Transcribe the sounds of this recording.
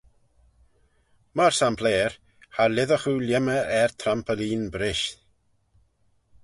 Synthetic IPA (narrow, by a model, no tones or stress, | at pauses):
marsampʰleːr | halɪðɔχuljəməɛrtʰrampʰəliːnbɾɪʃ